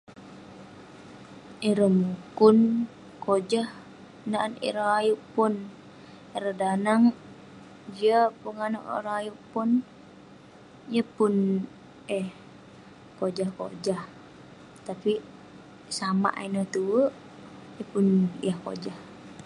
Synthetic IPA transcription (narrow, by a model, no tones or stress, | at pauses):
iɾəhmukun | kod͡ʒah | naʔnḭɾaajuʔpʊn | iɾədanaŋ | d͡ʒiapuŋana̰ʔɾaajuʔpun | jəpun | ɛh | kod͡ʒahko̰d͡ʒah | t̪api | sama̰ʔainəht̪uwəʔ | jəpunḭjahko̰d͡ʒah